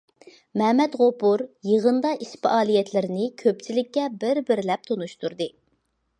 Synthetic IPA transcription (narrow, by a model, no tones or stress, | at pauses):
mɛhmɛd̪ʁopuɾjeʁənd̪ɑʔispɨʔɑːlijɛt̪lɪɾɪnɪkʲʰøp̚t͡ʃʰilɪkʲːɛbɪɾbɪɾlɛp̚t̪ʰonuʃt̪ʰuɾd̪ɨ